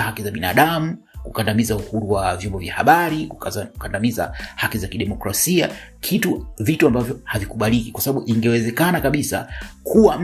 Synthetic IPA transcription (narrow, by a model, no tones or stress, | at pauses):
hakizaɓina̰ːɗamu | kukandamizauhuɾuwavjɔmbɔvjaha̰ɓaɾikukandamiza̰hakizakiɗɛmɔkɾasiakʰituvituambavjɔhavikuɓalikikwasaɓaɓuʔiŋɡɛwɛzɛkanakaɓisa̰kʰuwam